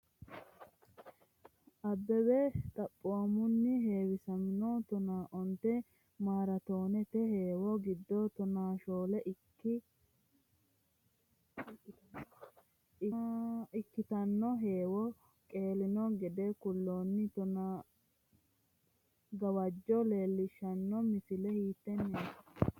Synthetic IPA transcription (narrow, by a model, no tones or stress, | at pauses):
ʔɐbːɛwɛt̪ʼɐpʼːoamʊnːɪɦeːwɪsɐmɪnɔt̪ɔnaːʔɔnt̪ɛ | maːɾɐt̪o̞ːnɛt̪ɛɦeːwɔɡɪd̪ːɔt̪ɔnaːʃoːlɛʔɪ | ɪ | ɪɪkːɪt̪ɐnːɔɦeːwɔ | kʼe̞ːlɪnɔɡɛd̪ɛkʊlːoːnːɪt̪ɔna | ɡɐwɐd͡ʒːɔle̞ːlːɪʃːɐnːɔmɪfɪlɛhiːt̪ːɛnːeːsɐ̥